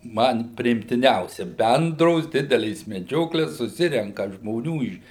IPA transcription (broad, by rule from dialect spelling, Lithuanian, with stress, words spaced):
ˈmɐn pʲrʲɪɪmʲtʲɪˈnʲɛʊsʲɛ ˈbʲɛndroːs ˈdʲɪdʲɛlʲeːs mʲɛˈd͡ʒʲoːklʲeːs sʊˈsʲɪrʲɛŋkɐ ʒmoːˈnʲuː ɪʃ